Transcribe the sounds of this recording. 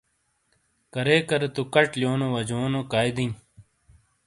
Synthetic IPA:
kɐɾeːkɐɾet̪ukɐʈljoːnoʋɐd͡ʑoːnokaːjd̪in

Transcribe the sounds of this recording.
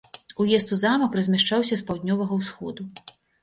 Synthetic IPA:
ujɛst̪uzamɐkrɐzʲmʲaʂt͡ʂawsʲɐspawd̪ʲnʲɔvɐɣɐwsxɔd̪u

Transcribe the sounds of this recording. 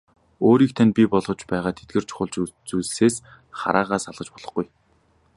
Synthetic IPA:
oːɾiːk̚t̪ʰanpʲipɔɮʁɞ̆t͡ɕpæːʁaːt̪ʰet̪̚ɡĕrt͡ɕʰʊ̥χʊ̆ɮt͡ɕt͡suːɮɘseːs | χa̰ɾʔaːʁaːsaɮʁə̆t͡ɕpɔɮ̥ɞ̆χɡuj

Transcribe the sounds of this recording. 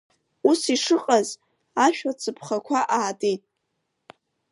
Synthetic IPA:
usiʂɨqʼaz | aʃᶣat͡sʰɨpʰχakʷʰaʔaːtʼejtʼ

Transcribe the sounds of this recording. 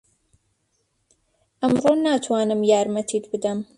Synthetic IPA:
ʔɐmɾoːnaːt̪ʰwaːnɨmjaːɾmɐt̪ʰit̪bɨd̪ɐm

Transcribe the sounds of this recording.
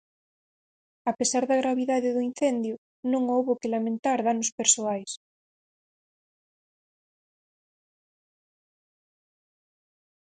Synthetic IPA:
apesaɾðaɣɾaβ̞iðaðeðʊin̟θend̪jʊ | nõŋowβokelamẽnt̪aɾðanospeɾsoajs

